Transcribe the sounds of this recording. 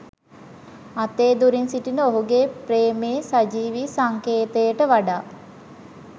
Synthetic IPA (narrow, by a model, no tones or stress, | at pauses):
at̪eːd̪uɾinsiʈinəoɦuɡepɾeːmeːsad͡ʒiːʋisaŋkeːt̪əjəʈəʋaɖaː